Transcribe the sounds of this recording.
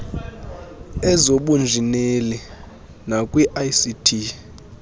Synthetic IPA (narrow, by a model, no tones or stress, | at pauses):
ɛzoɓund͡ʒʱineli | nakʼwiʔajsitʰi